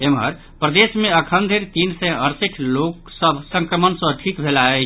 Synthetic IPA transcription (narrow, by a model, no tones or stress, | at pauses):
emɦəɾ | pɾəd̪esmeəkʰənd̪ʱeɾt̪insɛ̃əɾsiʈʰlok | səbʱsə̃ŋkɾəmənsə̃ʈ̪ʰikbʱelae